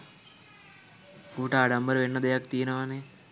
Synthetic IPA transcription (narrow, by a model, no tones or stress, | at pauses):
kuːʈəːɖambəɾəʋenːəd̪ejak̚t̪ijenəʋane